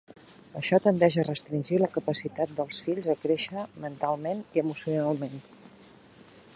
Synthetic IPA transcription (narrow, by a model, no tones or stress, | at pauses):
əʃɔt̪ənd̪ɛʃ̬ərəst̪ɾinʲʒiləkəpəsit̪at̪̚d̪əlˠsfiʎzəkɾeʃəmənt̪alˠmeniəmusiunalˠmen